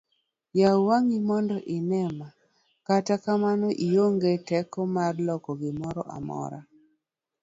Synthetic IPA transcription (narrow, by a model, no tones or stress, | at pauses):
jawaŋimɔndɔʔɪnɛma | katakamanɔʔijoŋɡetɛkɔmarlɔkɔɡɪmɔɾɔʔa̰mɔ̰ɾa̰